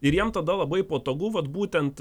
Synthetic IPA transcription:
ɪɾjiɛmt̪ɐd̪ɐlˠɐbɐɪpoːt̪oːɡʊʋɐt̪buːt̪ʲɛnt̪

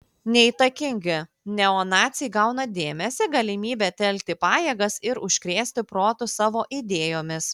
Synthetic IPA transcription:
nʲɛit̪ɐkʲɪŋʲɡʲɪ | nʲɛoːnɑːt̪sʲɪjɡɑʊnɐd̪ʲeːmʲɛsʲɪɡɐlʲɪmʲiːbʲɛt̪ʲɛlʲk̚ʲt̪ʲɪpɑːjeːɡɐsɪɾʊʃʲkɾʲeːsʲt̪ʲɪpɾoːt̪ʊsɑːʋoːʔid̪ʲeːjoːmʲɪs

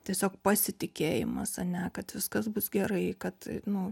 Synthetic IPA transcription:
t̪ʲiɛsʲoːk̚pɐsʲɪt̪ʲɪkʲeːjɪ̰mɐsɐnʲɛkɐt̪ʋʲɪskɐsbʊsɡʲɛɾɐɪkɐt̪nʊ

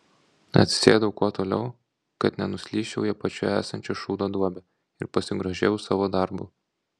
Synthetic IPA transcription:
ɐ̰t̪sʲɪ̥sʲeːd̪ɐʋʊkuɔt̪oːlʲɛ̰ʊ | kɐt̪nʲɛnʊsʲlʲiːʃʲɛʊjɛpɐt͡ʃʲuæ̰ːsɐnʲt͡ʃʲoʃuːd̪oːd̪uɔbʲɛ | ɪɾpɐsʲɪɡɾɐʒʲḛːjʊsɑːʋoːd̪ɑɾbʊ

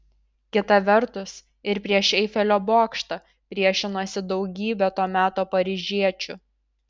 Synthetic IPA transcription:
kʲɪt̪ɐʋʲɛɾt̪ʊs | ɪɾpʲɾʲiɛʃɛɪfʲɛlʲoːboːkʃt̪ɐ | pʲɾʲiɛʃʲɪnoːsʲɪd̪ɒʊɡʲiːbʲɛt̪oːmʲæːt̪oːpɐɾʲɪʒʲiɛt͡ʃʲʊ

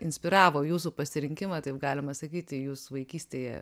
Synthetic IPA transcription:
ɪnʲsʲpʲɪɾɑːʋoːjuːsupɐsʲɪɾʲɪŋʲkʲɪmɐt̪ɐɪpɡɑːlʲɪmɐsɐkʲiːt̪ʲɪjuːsʋɐɪkʲiːsʲt̪ʲeːjɛ̰

